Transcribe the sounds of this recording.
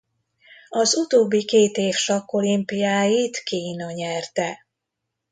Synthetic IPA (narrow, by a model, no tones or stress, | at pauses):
ɒzut̪oːbːikeːt̪eːfʃɒkːo̞limpijaːjit̪kiːnɒɲɛrt̪ɛ